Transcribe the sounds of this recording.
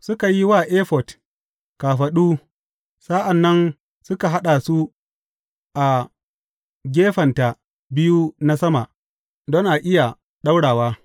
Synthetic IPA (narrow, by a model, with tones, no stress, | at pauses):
sʊ˦ka˨ji˦waː˦˨ʔeː˦ɸɔ˨t | kaː˨ɸɐ˨ɗuː˦ | sa˦ʔa˨nːɐ˦n | sʊ˦ka˨ɦa˦ɗa˨su˦ | ʔa˨ | ɡʲeː˦ɸɐ˨nta˨ | bɪ˦ju˦na˦sɐ˦ma˨ʔ | dɔ˦ŋʔa˨ʔɪ˦ja˨ | ɗa˦wɽaː˨waː˦